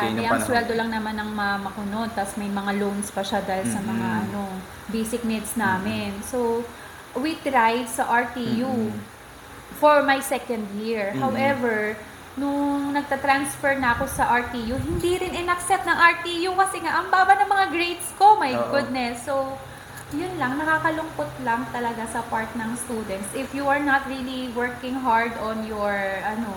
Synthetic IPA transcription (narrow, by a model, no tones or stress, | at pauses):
anɛʔɐŋswɛld̪o̞lɐŋnɐmanːɐŋmamɐkonont̪asmɐjmɐŋalownspɐʃad̪ajlsɐmɐŋaʔɐno | bejsɪk̚nɛt̪snaːmɪnso | wid̪ɾajvsɐʔɐɹt̪iju | fɔɹmajsɛkɐnd̪jiɹhawʔɛvɛɹ | nʊŋnɐɡ̚t̪ɐt̪ɾansfɛɹnɐɐkosɐʔaɹt̪ijuɦɪnd̪iɾɪnʔɪnɐksɛp̚t̪nɐŋʔɐɹt̪ijukɐsɪŋaʔɐŋbaːbɐnɐŋmɐŋaɡɹejt̪sko̞mɐjɡʊd̪̚nɛsːo | jʊnlɐŋnɐkakɐlʊŋpot̪lɐŋt̪ɐlɐɡasɐpaɹt̪̚nɐŋst̪uːd̪ɛnt̪sʔɪfjuʔɐɹnat̪ɹiliwɛɹkɪ̃ŋɦaɹd̪ɔ̃njɔɹʔɐno